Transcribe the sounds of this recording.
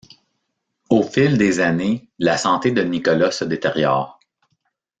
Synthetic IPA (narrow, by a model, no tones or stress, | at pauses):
ofɪld̪ezanelasɑ̃t̪ed̪ənikɔlasəd̪et̪eʁjɔːʁ